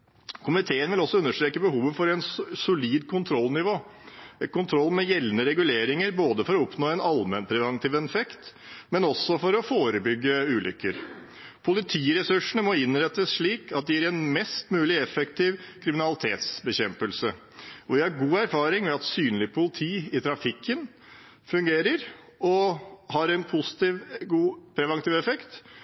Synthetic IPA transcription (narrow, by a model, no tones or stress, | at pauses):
kʰʊmɪt̪ʰeːənʋɪlɔsːɔʉnːəʂʈ̪ɾeːkəbəhuːʋəfɔɾɛnsʊliːd̪kʰʊnt̪ʰɾɔlnɪʋoː | kʊnt̪ʰɾɔlːmɛjɛlnəɾɛɡʉleːɾɪŋəɾboːd̪əfɔɾɔɔpnoːɛnɑlmɛnpʰɾɛʋɛnt̪ʰiːʋɛnfɛkt̪ | mɛnɔsːɔfɔɾɔfoːɾəbʏɡːəʉːlʏ̰kːəɾ | pʰʊlɪt̪ʰiːɾɛsʉʂəɳəmɔɪnːɾɛt̪ːəsʂɭiːkʰɑt̪̚d̪ɛæɾɛnmɛst̪mʉːlɪɛfɛkt̪ʰɪːʋkʰɾɪmɪnɑlɪt̪ʰeːt̪sbəçɛmpəlsə | ɔʋɪhɑɾɡuːæɾfɑːɾɪŋmɛɑt̪syːnlɪpʰʊlɪt̪ʰiːɪt̪ʰɾɑfɪkʰːən | fʉŋɡeːɾəɾ | ɔhɑɾɛnpʰʊsɪ̥t̪iʋɡuːpʰɾɛʋɑŋt̪iːʋɛfɛkt̪